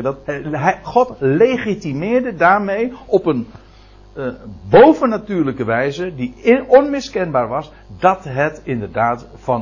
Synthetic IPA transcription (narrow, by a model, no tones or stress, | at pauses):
dtɦχɔtlejχitimɪːɹdədaːɹmejɔpən | bowvənatyːɹləkəʋɛjzədiɔnmɪskɛnbaːɹʋɑs | dɑtɦətɪndəɹdaːt | fɑ